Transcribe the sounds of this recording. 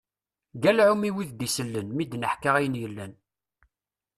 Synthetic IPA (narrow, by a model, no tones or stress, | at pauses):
ɡælʕumiwiðd̪isəlːənmid̪nəħkaʁæjənjəlːæn